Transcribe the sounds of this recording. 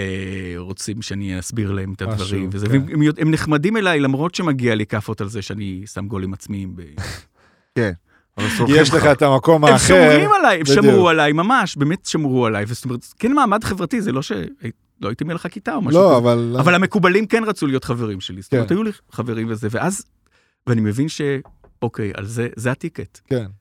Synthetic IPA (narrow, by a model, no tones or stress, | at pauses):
eʁot͡simʃeaniasbiʁlae̞met̪advaʁimvezeveemjoemneχmadime̞lajlamʁo̞tʃemaɡialikafo̞talzeʃeanisamɡo̞limat͡smiimbḛ | ken | ojeʃeχaetamako̞maːmχaemʁimalajemʃamʁualajmamaʃbeːmetʃamʁualajvezotomeetkenmaːmadχevʁatizelo̞ʃḛa | loaitimeleχakitaomalʃoavalavalhame̞kubalimkenʁat͡sulijotχaveʁimʃe̞lizotometajuli | χave̞ʁimvezeveʔaz | veanimevinʃe̞ | okeja̰lzezeatiketken